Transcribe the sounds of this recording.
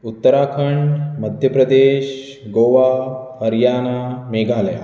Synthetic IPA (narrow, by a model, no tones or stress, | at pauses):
ut̪ːɐɾaːkʰɐɳɖmɐd̪ʱjɐpɾɐd̪eːʃ | ɡoːʋaːhɐɾjaːnaːmeːɡaːlɐja̰